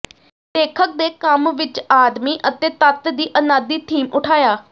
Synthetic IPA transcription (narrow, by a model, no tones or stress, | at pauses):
d̪eːkʰək̚d̪eːkəmʋɪt͡ʃaːd̪miːʔət̪eːt̪ət̪d̪iːʔənaːd̪iːt̪ʰiːmʊʈʰaːjaː